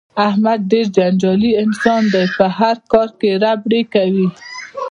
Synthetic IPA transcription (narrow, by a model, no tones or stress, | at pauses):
ahmad̪̚ɖeɾd͡ʒand͡ʒɑliɪnsɑnd̪ajpəɦaɾkɑɾkeɾabɽekawi